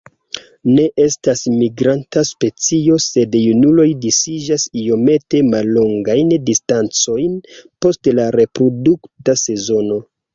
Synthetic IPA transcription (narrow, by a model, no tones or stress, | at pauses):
ne̞ʔe̞stasmiɡɾantaspe̞t͡sio̞se̞djunulo̞jdisid͡ʒasijo̞me̞te̞malːo̞ŋɡajndistant͡so̞jnpo̞stlaɾe̞pɾo̞duktase̞zo̞no̞